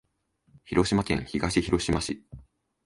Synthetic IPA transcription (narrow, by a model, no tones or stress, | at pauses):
çiɾo̞ɕimakẽ̞̰ɰ̃çiɡaɕiçiɾo̞ɕimaɕi